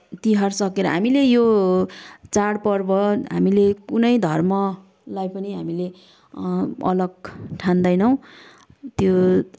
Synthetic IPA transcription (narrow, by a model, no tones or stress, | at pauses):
t̪iɦʌrsʌkeɾʌ̰ɦa̰milejo | t͡saɽpʌrbʌɦa̰milekunʌjd̪ʱʌrmʌ | lajpʌniɦamile | ʌ̰lʌɡ̚ʈʰãnd̪ʌjnʌw̃ | t̪jo